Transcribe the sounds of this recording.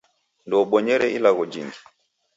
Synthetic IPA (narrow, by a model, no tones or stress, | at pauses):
ndɔɓɔɲɛɾɛilaɣɔd͡ʒiŋɡi